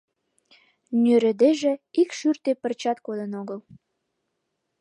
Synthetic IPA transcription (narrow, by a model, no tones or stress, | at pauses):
nʲøɾə̆d̪eʒĕikʃyrt̪epərt͡ɕɑt̪kod̪ənoɣəl